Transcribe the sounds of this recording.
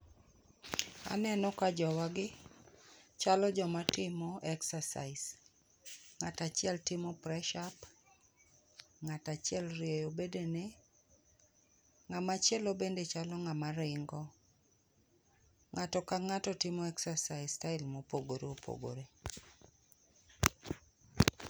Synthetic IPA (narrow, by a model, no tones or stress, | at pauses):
a̰nɛnɔkad͡ʒɔwaɡɪ | t͡ʃalɔd͡ʒɔmatɪmoʔɛksasa̰ɪs | ŋatat͡ʃɪɛltɪmɔpɾɛʃap | ŋatat͡ʃɪɛlrjejobedene | ŋamat͡ʃjɛlobendet͡ʃalɔŋamaɾɪŋɡɔ | ŋatɔkaŋatɔtɪmɔɛksasaɪstaɪlmopoɡoɾeopʰo̰ɡo̰ɾe